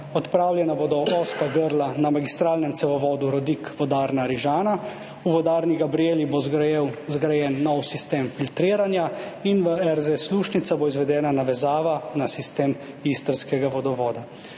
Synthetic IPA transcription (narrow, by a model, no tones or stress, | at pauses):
ɔt̪pɾaːwljɛnabod̪ɔʔɔːskaɡəɾlanamaɡist̪ɾaːlnɛmt̪sɛʋɔʋɔːd̪uɾɔd̪ikʋɔd̪aːɾnaɾiʒaːna | uʋɔd̪aːɾniɡabɾijeːlibozɡɾajɛːnːɔwsist̪eːmfilt̪ɾiːɾanjainʋəɛɾzesluːʃnit̪saboizʋɛd̪ɛːnanaʋɛzaːʋanasist̪eːm | ist̪əɾskɛɡaʋɔd̪ɔʋɔːd̪a